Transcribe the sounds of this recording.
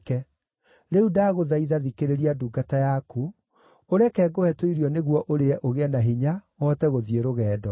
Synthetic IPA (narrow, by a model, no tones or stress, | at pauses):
kɛ | ɾeudaːɣoðaiðaðikeɾeɾiaduːɡatajaku | oɾɛkɛɡohɛtoiɾiɔneɣwɔʔoɾeɛʔoɣɛnaɦiɲawɔtɛɣoðieɾoɣɛːdɔ